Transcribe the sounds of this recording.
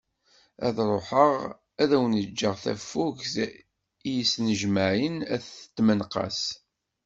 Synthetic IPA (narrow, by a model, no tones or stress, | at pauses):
æ̰ðɾˤoħəʁ | æðæwənəd͡ʒːəʁθæ̰fːuʝs | ijisnəʒməʕinæθə̥t̪ːmənqɑ̰s